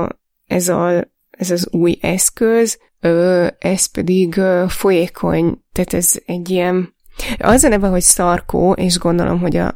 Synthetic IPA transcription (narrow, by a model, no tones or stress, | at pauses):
ɛzɒ̰ | ɛzɒzuːjɛskøz | øːɛspɛd̪iɡøːfo̞jeːkʰo̞̰ɲt̪æːt̪ɛzɛɟːijɛn | ɒzɒnɛvɛɦo̞csɒrko̰ːʔeːʃɡo̞nd̪o̞lo̞̰mɦo̞ɟɒ̰